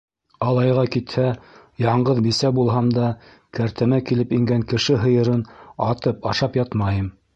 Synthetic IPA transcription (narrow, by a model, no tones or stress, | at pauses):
ɑlˠɑjʁɑkit̪hæ | jɑɴɢɤðbisæbulˠɦɑmd̪ɑ | kæɾt̪ɘ̆mækilɘpiŋɡæŋkɘ̆ʃɘɦɤ̆jɤ̆ɾɤnɑt̪ɤpɑʃɑpjɑt̪mɑjɤm